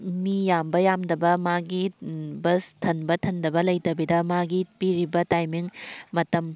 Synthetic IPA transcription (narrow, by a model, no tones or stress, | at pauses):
mijambɐjamdɐbɐmaɡibɐstʰɐnbɐtʰɐndɐbɐlɐjtɐbidɐmaɡipiɾibɐtajmiŋmɐtɐm